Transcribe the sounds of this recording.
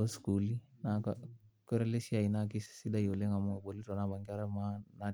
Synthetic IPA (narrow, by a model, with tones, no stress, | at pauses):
o˦sku˨li˦na˨kkɛ˦ɾɛ˦le˦si˦a˨i˨na˦ki˦ssi˦da˦jo˨le˦ŋa˨mo˦˨bo˨li˦tɔ˨na˦ba˨ŋki˦a˦ɾa˦ma˦na˨